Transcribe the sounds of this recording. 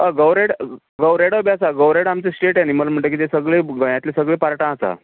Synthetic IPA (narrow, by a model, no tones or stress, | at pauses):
əɡəwɾeɽ | ɡəwɾeɽəbjasaɡəwɾeɽamt͡sesʈeʈaniməlm̤əɳt̪ək̬it̪esəɡɭeɡəjãt̪lesəɡɭeːpaɾʈãasa̰